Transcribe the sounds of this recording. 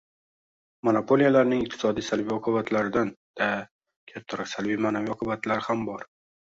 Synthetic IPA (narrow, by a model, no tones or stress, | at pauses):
monapʰo̞lijalaɾnɪŋɪq̚t̪ʰɪ̥sɒd̪ijsalvijɒqʰʊbat̪ʰlaɾɪd̪and̪̥a | kʲʰat̪ʰːaɾɒksalvijmanavijɒqʰʊbat̪laɾɪhambɒɾ